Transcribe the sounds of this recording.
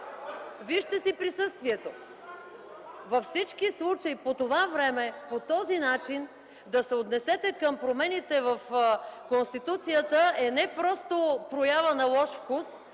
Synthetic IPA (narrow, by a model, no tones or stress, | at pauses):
viʃt̪ɛsipɾisɤst̪viɛt̪o | vɐfsit͡ʃkislˠut͡ʃɐipot̪ovavɾɛmɛpot̪ɔzinat͡ʃin | d̪ɐsɛot̪nɛsɛt̪ɛkəmpɾomɛnit̪ɛvəfkonst̪it̪ut̪sijət̪əɛnɛpɾɔst̪opɾojavənɐlˠɔʃfkus